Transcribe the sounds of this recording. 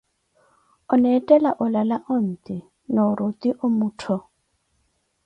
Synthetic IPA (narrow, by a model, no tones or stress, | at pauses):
ʊnɛtʼɛlaʔʊlalaʔʊn̩t̪ʼɪ | nɔɾʊt̪ʼiʔʊmuːtʰɔ